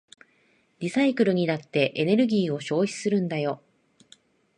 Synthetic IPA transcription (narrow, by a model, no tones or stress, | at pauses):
dʲisaikɯ̟ɾɯ̟ɲ̟inat̪ːe̞ʔene̞ɾɯ̟ɡʲiːo̞ɕo̞ːçi̥sɨɾɯ̟̃nd̪ajo̞